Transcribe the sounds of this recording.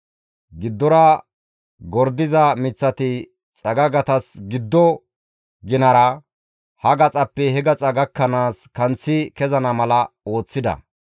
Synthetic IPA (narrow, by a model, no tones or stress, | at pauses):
ɡɪd̪ːɔɾɐ | ɡɔɾd̪ɪzɐmɪt͡sːɐt̪ɪ | t͡sʼɐɡɐɡɐt̪ɐsɡɪd̪ːɔ | ɡɪnɐɾɐ | hɐɡɐt͡sʼɐpːɛhɛɡɐt͡sʼɐɡɐkːɐnaːskɐnt͡sːɪkɛzɐnɐmɐlɐo̞ːt͡sːɪd̪ɐ̰